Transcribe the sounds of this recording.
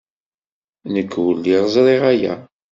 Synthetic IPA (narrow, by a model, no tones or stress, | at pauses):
nəkːwəlːiʁzˤɾˤeʁæjæ̰